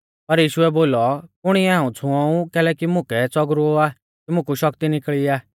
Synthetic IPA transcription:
pɐɾjiːʃʊɛboːlɔkʊɽ̃iɛaũt͡sʰʊ̃ɔ̃ũkɛːlɛkimʊ̃kɛt͡sɔɡɾoaː | kimʊ̃kuʃɔkt̪inɪkɭiaː

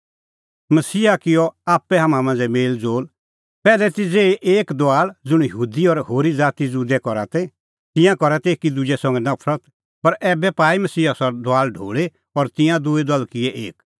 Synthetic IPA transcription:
mɐsiːakɪjɔaːpːɛɦaːmãmãnd͡zɛmeːld͡zoːl | pɛːlɛt̪ɪd͡zeʔeːkd̪aːld͡zʊɽ̃jəɦuːd̪iɔɾhoːɾid͡zaːt̪id͡zud̪ɛkɔɾa̰t̪ɛ | t̪ɪ̃jãkɔɾɛt̪ɛeːkid̪ʊd͡ʒɛsɐ̃ŋɡɛnɐpʰɾət̪ | pɐɾɛːbɛpaːimɐsiːasɔd̪ʊaːlɖʱo̰ːɭe | ɔɾt̪ɪ̃jãd̪ʊed̪ɔlkɪɛʔeːk

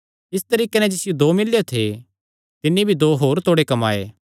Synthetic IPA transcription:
ɪst̪ɐɾiːkenɛd͡ʒɪsɪjod̪oːmɪlːjot̪ʰe | t̪ɪnːibʱid̪oːɦoːɾt̪ʰoːɽekɐmaːḛː

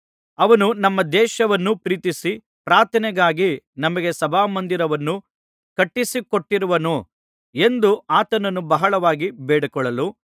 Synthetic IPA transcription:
ɐʋɐnunɐmːɐd̪ɛːʃɐʋɐnːupɾiːt̪isi | pɾaːɾt̪ʰɐnɛɡaːɡinɐmɐɡe̞sɐbʱaːmɐnd̪iɾɐʋɐnːu | kɐʈːisikoʈːiɾuʋɐnu | e̞nd̪uaːt̪ɐnɐnːubɐɦɐɭɐʋaːɡibɛːɽɐkɔɭɐlu

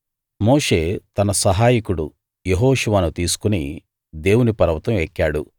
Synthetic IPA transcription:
moːʂe̞ːt̪ɐnɐsɐɦaːjikuɽṵ | jeɦoːʂuʋaːnut̪iːsu̥kunḭ | d̪e̞ːwunipɐɾɐʋɐt̪ɐmɛkːaːɽu

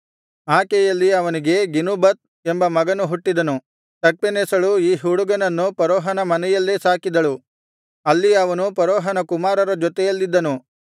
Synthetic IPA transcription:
aːkɛjɐlːiɐʋɐniɡe̞ɡinubɐt̪̚ | embɐmɐɡɐnuɦuʈːid̪ɐnu | t̪ɐk̚penesɐɭuiːɦuɽuɡɐnɐnːupɐɾɔːɦɐnɐmɐnɛjɐlːesaːkid̪ɐɭu | ɐlːiɐʋɐnupɐɾɔːɦɐnɐkumaːɾɐɾɐd͡ʒɔt̪ɛjɐlːid̪ːɐnu

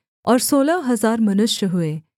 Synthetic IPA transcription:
ɔːɾsoːlaɦɐzaːɾmɐnʊʃjəɦueː

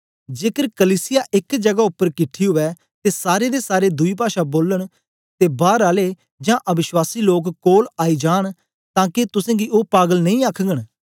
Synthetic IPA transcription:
d͡ʒeːkəɾkəliːsɪjaːʔɪkd͡ʒəɡaːʊpːəɾkɪʈʰːiːɦʊɛː | t̪eːsaːɾeːd̪eːsaːɾeːd̪ʊiːp̬aːʃaboːləɽ̃ | t̪eːbaːɾaːleː | d͡ʒãːʔəbɪʃwaːsiːloːkkoːlaːiːd͡ʒaːɽ̃ | t̪ãːket̪ʊsɛ̃ːɡiːʔoːpaːɡəlnə̃ĩːaːkʰɡəɽ̃

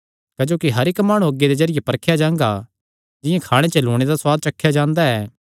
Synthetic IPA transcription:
kɐd͡ʒoːkiɦɐɾɪkmaːɽ̃ũɐɡːed̪ezɐɾɪjepɐɾkʰjad͡ʒãːŋɡa | d͡ʒɪjãkʰaːɽ̃et͡ʃɐloːɽ̃ed̪aswaːɡ̪̚t͡ʃɐkʰːjad͡ʒãːnd̪aɛː

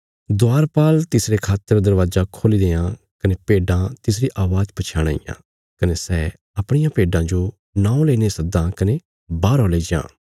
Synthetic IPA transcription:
d̪ʊaːɾpaːlt̪ɪsɾekʰaːt̪ːəɾd̪ɐɾʋaːzakʰoːlid̪eːã | kɐnepeːɖãt̪ɪsɾiʔaːʋaːd͡ʒpɐt͡ʃʰaːɽ̃a̰ːḭjã̰ː | kɐnesɛː | ɐpɽ̃ɪjãpeːɖãd͡ʒo | nãːõleːnesɐk̚d̪ãkɐne | baːɾɔːleːd͡ʒã̰ː

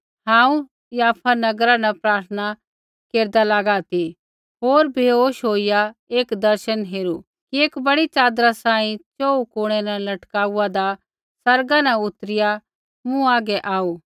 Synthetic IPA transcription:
ɦãːũ | jaːpʰanɐɡɾanapɾaːɾt̪ʰəna | keːɾd̪alaːɡat̪i | ɦoːɾbʱioːʃɦoːijaeːkd̪ɐɾʃənɦeːɾu | kieːkbɐɽit͡ʃaːd̪ɾasãːĩt͡ʃoːukoːɽ̃ɛnɛlɐʈkaːuad̪a | sɐɾɡanɛʊt̪ɾɪja | mũaːɡɛʔaːuː

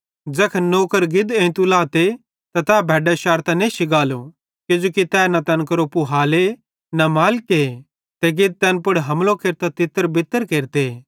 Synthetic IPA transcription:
d͡ʒɐkʰnoːkəɾɡɪd̪ẽt̪ulaːt̪e | t̪ɐt̪ɛːbʱɛːɖɛʃaːɾt̪ɐ̃nẽʃɪɡaːlo | kɪd͡ʒoːkit̪ɛːnɐt̪ɐnkɐɾopuɦaːle | nɐmaːlke | t̪eɡɪd̪̚t̪ɛnpʊɽɦɐmlokeːɾt̪at̪ɪt̪ːəɾbɪt̪ːəɾkeːɾt̪e

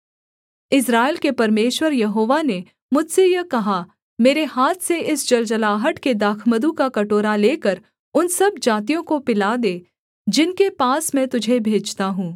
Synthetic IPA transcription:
ɪs̬ɾaːɪlkepɐɾmeːʃwəɾjɐɦoːʋane | mʊd͡ʒsejɐkɐɦa | meːɾeɦaːt̪ʰseʔɪsd͡ʒɐld͡ʒəlaːɦəʈked̪aːkʰməd̪ukakɐʈoːɾaleːkəɾ | ʊnsɐbd͡ʒaːt̪̬ijõkopɪlad̪eː | d͡ʒɪnkepaːsmɛ̃t̪ʊd͡ʒʱebʱeːd͡ʒt̪aɦũː

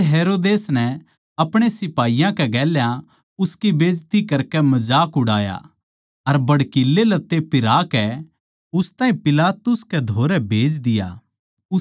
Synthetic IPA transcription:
ɦeːɾoːd̪eːsnɛ | ɐpɽ̃esɪpaːijãkɛɡɛːljã | ʊskibeːd͡ʒt̪ikɐɾkɛmɐd͡ʒaːkʊɽaːja̰ | ɐɾbɐɽkilːelɐt̪ːepɪɾaːkɛ | ʊst̪aːĩpɪlaːt̪ʊskɛd̪ʱoːɾɛbʱeːd͡ʒd̪ɪja̰ː | ʊ

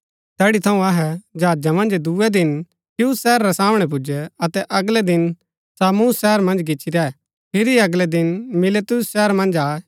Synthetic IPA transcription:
t̪ɛːɽit̪ʰɐũɐɦɛd͡ʒaːd͡ʒamɐ̃nd͡ʒd̪uɛd̪ɪn | tjuːsːɛːɾːɛsaːmɽ̃ɛp̬ʊd͡ʒɛɐt̪ɛʔɐɡlɛd̪ɪn | saːmusʃɛːəɾmɐ̃nd͡ʒɡɪːt͡ʃʰiɾɛɛ | pʰɪɾiɐɡlɛd̪ɪnmɪlet̪ʊsʃɛɦɾmɐ̃nd͡ʒaːɛ

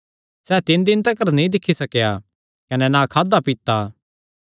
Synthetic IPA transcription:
sɛːt̪ɪnd̪ɪnt̪ɐkɐɾnĩd̪ɪkʰːisɐkja | kɐnɛnãːkʰaːd̪apit̪ːaː

